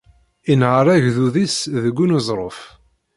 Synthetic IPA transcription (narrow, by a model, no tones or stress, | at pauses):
inʁəɾˤæʝðuðisðəɡʷːunuzˤɾˤof